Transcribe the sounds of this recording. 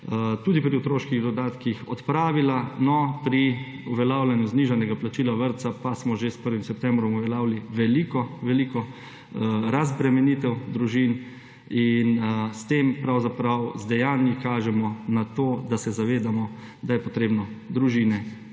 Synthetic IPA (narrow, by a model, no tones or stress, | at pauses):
t̪uːd̪ipɾiut̪ɾoːʃkiɣd̪ɔd̪aːt̪kixɔt̪pɾaːʋilanɔpɾi | uʋɛlaːwlanjuzniːʒanɛɡaplat͡ʃiːlaʋəɾt̪sapasmɔʒespəɾʋimsɛp̚t̪ɛmbɾɔmuʋɛlaːwliʋɛlikɔʋɛlikɔ | ɾazbɾɛmɛnit̪ɛwd̪ɾuʒin | inst̪empɾawzapɾawzd̪ɛjaːnjikaːʒɛmɔnat̪oːd̪asɛzaʋeːd̪amɔ | d̪ajɛpɔt̪ɾeːbnɔd̪ɾuʒiːnɛ